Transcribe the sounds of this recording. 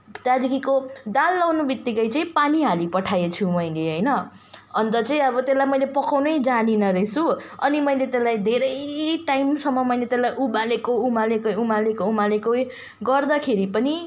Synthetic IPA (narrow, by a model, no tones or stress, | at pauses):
t̪jad̪ikikodalːawnubik̚t̪ːikʌjt͡saĩpaniɦalipʌʈʰajet͡sʰumʌjleɦʌjnʌ | ʌnt̪ʌt͡sʌĩʌbʌt̪elːajmʌjlepʌkawnʌjd͡zaninʌɾet͡sʰuʌnimʌjlet̪elːajd̪ʱeɾʌjʈaimsʌmːʌmʌjlet̪elːajʔubalekoumalekojumalekoumalekoj | ɡʌrd̪ʌkʰeɾipʌni